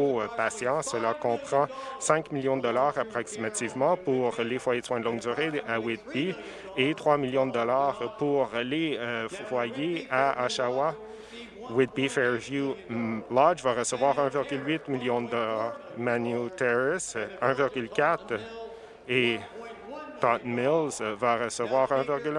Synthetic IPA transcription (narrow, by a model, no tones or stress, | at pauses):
opasjɑ̃səlakɔ̃pχɑ̃sɛ̃kmiljɔ̃d̪əd̪ɔlaːʁapχɔksimat̪ivmɑ̃puʁlefwajed̪swɛ̃d̪lɔ̃ŋɡ̚d̪yːʁeawɪd̪̚bi | et̪χwamiljɔ̃d̪əd̪ɔlaːʁpuʁlefwajeaaʃawa | wɪd̪̚bifɛɹvjulad͡ʒvaʁəsəvwaʁɛ̃vɪʁɡʲylwɪt̪miljɔ̃d̪əd̪ɔlaːʁmanjut̪ɛʁɛsɛ̃vɪʁɡʲylkʲat̪ | e | t̪ɑt̪mɪlzvaʁəsəvwaːʁɛ̃vɪʁɡʲyl